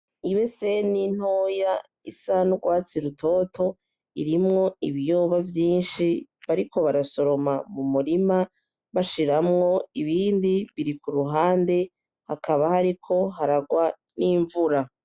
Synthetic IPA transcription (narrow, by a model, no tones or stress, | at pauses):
iβe̞se̞nin̥oːja | isanuɡwaːt͡siɾutʰo̞tʰo̞ | iɾimŋo̞iβijoːβavjiːnʃiβaɾikʰo̞βaɾaso̞ɾo̞mamumuɾima | βaʃiɾamŋo̞iβiːndiβiɾikuɾuɦaːnde̞ | hakaβahaɾikʰo̞ɦaɾaɡwa | niːɱvuɾa